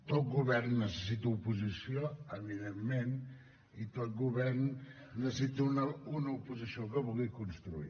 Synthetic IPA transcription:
t̪ot̪̚ɡuβɛrnːəsəsit̪əupuzisioəβiðemːen | it̪ot̪̚ɡuβɛrnː | əsit̪unəunəupuzisiokəβuɣikunst̪ɾuḭ

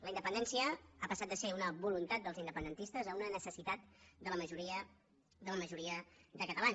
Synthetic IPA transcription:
ləind̪əpənd̪ɛnsiəapəsat̪̚d̪əseunəβulunt̪at̪̚d̪əlˠzind̪əpənd̪ənt̪ist̪əzəunənəsəsit̪at̪̚d̪ələməʒuɾiə | d̪ələməʒuɾiəd̪əkət̪əlan

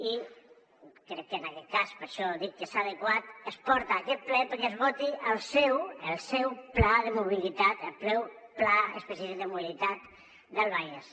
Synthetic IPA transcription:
i | kɾɛkːənakɛt̪̚kaspəɾʃɔðikːesaðəkwat̪əspɔɾt̪aːkɛt̪̚plɛpəɾkezβot̪iʔəlˠsɛwəlˠsɛwplaðəmuβ̞ilit̪at̪əlplɛwplaə̰spesjafid̪əmuβilit̪at̪̚ | d̪əlβajes

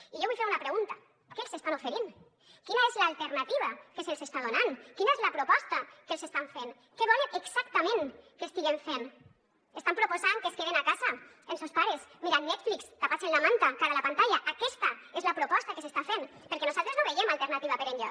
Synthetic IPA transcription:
iʎoβujfeɾunapɾeɣunt̪a | kelˠsest̪anofeɾin | kinaezlaːlt̪eɾnat̪iβakeselsest̪aðonankinaezlapɾopɔst̪akelsest̪aɱfen | keβ̞ɔleeksakt̪amẽŋkest̪iɣeɱfen | est̪ampɾopozaŋkeskeβenakaza | ensospaɾesmiɾannɛt̪flikskapasenlamant̪akaɾalapant̪aʎaʔakɛst̪aezlapɾopɔst̪akesest̪afenpeɾkenozalt̪ɾeznoβejemalt̪eɾnat̪iβ̞apeɾeɲʎo

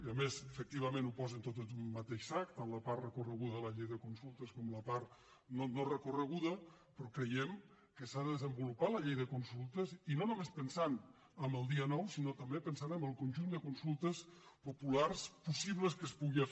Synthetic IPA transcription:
əmezəfək̚t̪iβ̞əmẽnupɔzənt̪ot̪əummət̪eʃsak̚t̪ːanləpaɾt̪rəkurəɣuðəðələʎejðəkunsulˠt̪əskɔmləpaɾt̪ | nonorəkurəɣuðə | pɾɔkɾəjɛm | kəsaðəðəzəmbulupaləʎejðəkunsulˠt̪əzinonumespənsan | əmbəlˠd̪iənɔwsinot̪əmbepənsanəmbəlˠkunʲʒund̪əkunsulˠt̪əspupularspusiβ̞ləskəspuɣiə

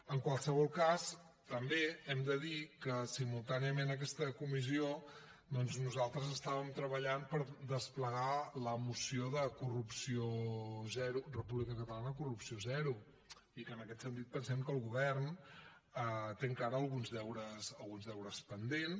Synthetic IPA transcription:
əŋkwalˠsəβɔlˠkas | t̪əmbeɛmd̪əðikəsimulˠt̪aniəmenək̬ɛst̪əkumizio | d̪ɔnznuzalˠt̪ɾəzəst̪aβəmt̪ɾəβəʎanpəɾd̪əspləɣaləmusioðəkurupsiozɛɾurəpuβlikəkət̪əlanəkurupsiozɛɾu | ikənəkɛt̪sənt̪̬it̪̚pənsɛmkəːlˠɣuβ̞ɛrn | ət̪eŋkaɾəːlˠɣunzðɛwɾəsəlˠɣunzðɛwɾəspənd̪en

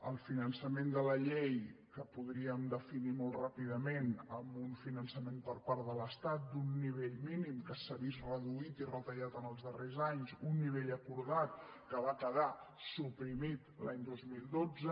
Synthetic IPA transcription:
əlˠfinənsəmend̪ələʎejkəpuðɾiəmd̪əfinimolˠtrapiðəmenəmbunfinənsəmempəɾpaɾðələst̪at̪̚d̪unːiβ̞eʎminimkəsəβisrəðuit̪irət̪əʎat̪ənəlˠzðərezaɲzunːiβ̞eʎəkuɾðat̪̚ | kəβakəðasupɾimit̪laɲd̪ozmilˠd̪od͡zə

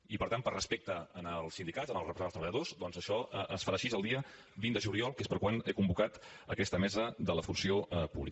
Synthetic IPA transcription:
ipəɾt̪ampərəspek̚t̪əənəlˠsind̪ikatzənəlˠrəpɾəzast̪əβəʎəðozd̪ɔnzəʃɔʔəsfəɾaʃizəlˠd̪iə | βind̪əʒuliɔlˠkespəɾkwanekumbukat̪ | əkɛst̪əmɛzəðələfunsiopṵβli

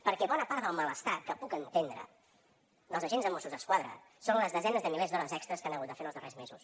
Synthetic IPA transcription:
pəɾkɛβɔnəpaɾt̪ðəlˠmələst̪akəpukənt̪end̪ɾə̰ | ðəlˠzəʒenzðəmosuzðəskwaðɾə̰ | sonləzðəzɛnəzðəmilezðɔnəzɛkst̪ɾəskanəɣut̪d̪əfenəlˠzðərezmezus

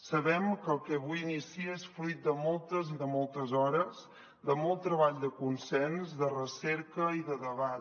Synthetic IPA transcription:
səβɛmkəlˠkəβujinisiəesfɾujt̪̚d̪əmɔlˠt̪əziðəmɔlˠt̪əzɔɾəz | d̪əmɔlˠt̪ːɾəβaʎd̪əkunsɛnzd̪ərəsɛɾkəiðəðəβat̪

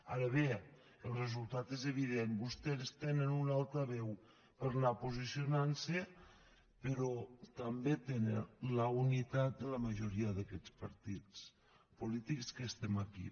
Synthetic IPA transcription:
a̰ɾəβe | əlˠrezulˠt̪at̪ezeβ̞iðenbust̪eɾst̪enənunalˠt̪ɾəβɛw | pəɾnapuzisionanse | pəɾɔt̪ambet̪enenləunit̪at̪̚d̪ələməʒuɾiəðəkɛt͡spəɾt̪it͡s | pulit̪ikskəst̪ɛmakḭ

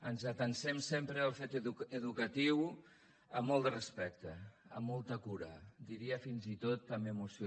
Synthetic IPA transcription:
ənzət̪ənsɛmsempɾəːlˠfet̪əuəðukət̪iw | əmːɔlˠd̪ərəspɛk̚t̪əəmːɔlˠt̪əkuɾəd̪iɾiəfinzit̪ot̪əmemusi

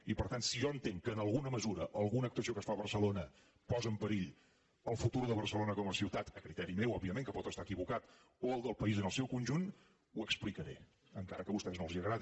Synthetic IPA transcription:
ipəɾt̪ansiʒɔənt̪eŋkəːnəlˠɣunəməzuɾəʔəlˠɣunəːk̚t̪uəsiokəsfaβərsəlonə | pɔzəmpəɾiʎ | əlˠfut̪uɾðəβ̞ərsəlonəkɔməsiwt̪at̪əkɾit̪ɛɾimewɔbiəmẽŋkəpɔt̪əst̪aəkiβukat̪ | oəlˠd̪əlˠpəizənəlˠsɛwkunʲʒun | uəksplikəɾḛ | əŋkaɾəkəβust̪ɛznoəlˠziəɣɾaði

